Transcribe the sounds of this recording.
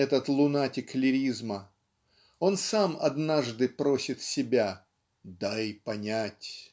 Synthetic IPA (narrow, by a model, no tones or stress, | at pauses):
ɛt̪ət̪lˠʊnatʲɪklʲɪɾʲizmə | o̞nsamɐ̰d̪naʐd̪ɨpɾo̞sʲɪt̪sʲɪbʲa | d̪aɪjpɐnʲætʲ